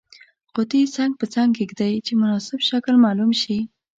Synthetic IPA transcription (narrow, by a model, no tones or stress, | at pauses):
qʊt̪it͡saŋɡ̚pət͡saŋɡkekd̪ajt͡ʃemʊnɑsɪbʃaklmɑlumʃi